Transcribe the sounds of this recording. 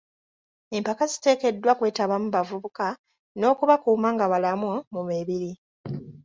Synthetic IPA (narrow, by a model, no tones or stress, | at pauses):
e̞mpakazi̥te̞ːke̞dːwakwe̞ːtaβamuβavuβuka | no̞ːkuβakuːmaːŋɡaβalamumumeβiɾi